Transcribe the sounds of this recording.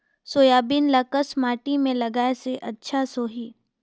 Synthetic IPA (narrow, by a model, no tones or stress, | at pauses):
soːjaːbiːnlɐkəsmaːʈimẽlɐɡaːeseʔɐtːʃʰasoːɦiː